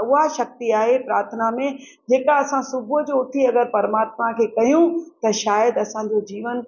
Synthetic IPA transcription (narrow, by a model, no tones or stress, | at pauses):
ʊɦaʃɐk̚t̪iaːɦepɾaːɾt̪ʰənamẽ | d͡ʑeːkaɐsãsʊbʱʊd͡ʑoʊt̪ʰiɐɡəɾpɐɾmaːt̪makʰeːkɐɦjũt̪ɐʃaːjəd̪ɐsãɲd͡ʑod͡ʑiːʋən